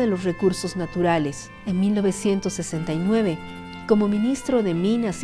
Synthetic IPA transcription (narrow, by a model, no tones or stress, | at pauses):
ðe̞lo̞srekuɾso̞znat̪uɾale̞s | enmilno̞βe̞sje̞nt̪o̞sːe̞se̞nt̪ajnwe̞βe̞ | ko̞mo̞mĩnist̪ɾo̞ðe̞mĩnas